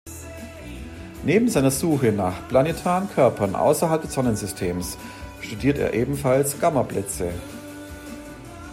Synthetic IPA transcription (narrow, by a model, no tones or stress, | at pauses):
neːbm̩zaɪnɐzuːxənaːχpl̥anetʰaːʁənkʰœɐpɐnʔa̰ʊsɐɦalp̚d̥ɛsz̥ɔnənzʏstʰeːms | ʃtudiːɐtḛːɐʔeːbm̩falsɡ̥amɐblɛt͡sə